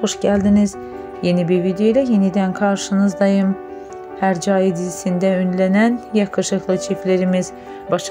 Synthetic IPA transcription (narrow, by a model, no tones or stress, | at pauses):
oʃɟæld̪iniz̥ | je̞nibiɾvid̪ejoilʲæje̞nid̪ænkʰɑɾʃɯnɯzd̪ɑjɯm | hæɾd͡ʒɑːjed̪izisind̪æynlænænjɑkʰɯʃɯxlˠɯt͡ʃʰifleɾimiz̥ | bɑʃ